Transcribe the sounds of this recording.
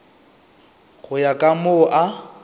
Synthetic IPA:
ɣʊjakʼamoʔa

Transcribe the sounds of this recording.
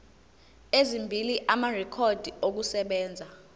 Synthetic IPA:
ezimbʱiliʔamarɛkʰod̥ʱiok̬usɛɓɛːnd͡zʱa

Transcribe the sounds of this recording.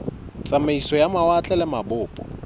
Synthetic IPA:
t͡sʼameisɔjamawat͡ɬʼɛlɛmabʊːpʼɔ̰

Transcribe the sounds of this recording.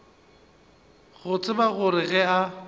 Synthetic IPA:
ɣʊt͡sʼɪbaɣʊɾɪɣɛa

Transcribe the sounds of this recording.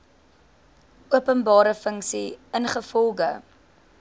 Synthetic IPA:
uəpənbɑːɾəfəŋksiənχəfɔlˠχə

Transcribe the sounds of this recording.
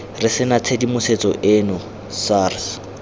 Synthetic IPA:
rɪsɪnat͡sʰedimʊset͡sʼɔʔɪːnʊ | saːrs

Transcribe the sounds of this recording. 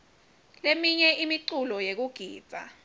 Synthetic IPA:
lemiɲɛʔimiǀulɔjek̬uɡ̥ʱiːb̥̪ʱa̰

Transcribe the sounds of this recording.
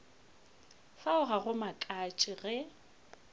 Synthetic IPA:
faʊɣaɣʊmakʼat͡ʃʼɪɣɛ

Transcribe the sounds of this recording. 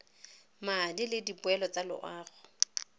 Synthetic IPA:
madilɪdipʊɛlɔt͡salʊ̰ʔaːɣʊ

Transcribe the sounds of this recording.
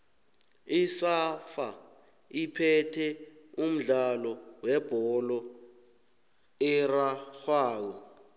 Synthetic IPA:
isafa | ipʰɛtʰɛum̩ɮalɔwɛb̥ʱɔlɔ | ɛraxwaːk̬ɔ

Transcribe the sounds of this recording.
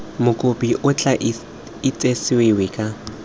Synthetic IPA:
mʊkʼopʼiʔʊt͡ɬʼaʔ | ɪt͡sʼesɪwewɪkʼa

